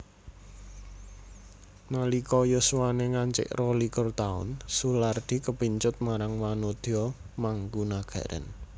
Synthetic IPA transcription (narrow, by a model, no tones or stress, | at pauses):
nalikɔjuswaneŋaɲt͡ʃɪ̰ʔrolikʊrt̪aʊ̰nsulard̪̥i̤kəpiɲt͡ʃʊt̪̚maɾaŋwanod̪̥iɔ | maŋɡunaɡ̥ä̤ɾʔə̰n